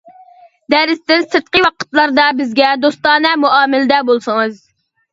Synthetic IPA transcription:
d̪æɾɪst̪ɪnsɨt̪̚qəwɑqʰə̥t̪lˠɑɾd̪ɑbɪzɡʲɛd̪ost̪ɑːnɛmuɑːmɪlɪd̪ɛbolˠsɨŋɨz

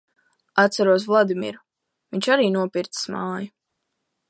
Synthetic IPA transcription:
at̪saɾuɔs̬vlˠad̪imḭɾu | viɲʲt͡ʃaɾiːnuɔpiɾt̪smaːju

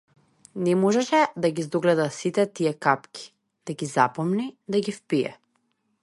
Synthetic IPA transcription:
nɛmɔʒɛʃɛd̪aɡizd̪oɡlɛd̪asit̪ɛt̪iɛkapkʲi̥ | d̪̥aɡizapɔmnid̪aɡifpijɛ̰

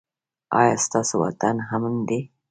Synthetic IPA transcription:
a̰jast̪asowa̰t̪anɦamənd̪e

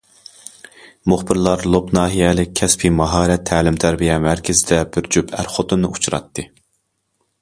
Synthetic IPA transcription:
mʊχbɪɾlˠɑɾlˠopnɑːɦijɛlɪk̚ʲʰɛspʰimɑɦɑːɾɛt̪ʰːæːlɪmt̪ʰæɾbijɛmæɾkʲʰɪzɪd̪ɛbɪɾd͡ʒypʰæ̰ɾχot̪unːɨut͡ʃʰuɾɑ̰t̪ːɨ

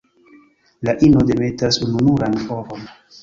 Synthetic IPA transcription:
laʔinode̞me̞tasununuɾanfovon

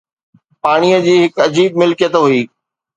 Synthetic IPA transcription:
paːɽ̃ijəd͡ʑiːɦɪkɐd͡ʑiːb̚mɪlkijət̪ɦuiː

